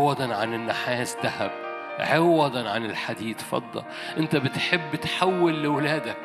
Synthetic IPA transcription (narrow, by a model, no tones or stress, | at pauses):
wɑd̪ɑnʕanɪnːaħaːsd̪ahab̚ | ʕɪwːɑd̪ˤɑnʕanɪlħad̪iːd̪fɑ̰d̪ˤːɑ̰l | ʔɪnt̪abɪt̪ħɪbːɪt̪ħawːɪlːɪwɪlæːd̪ak̚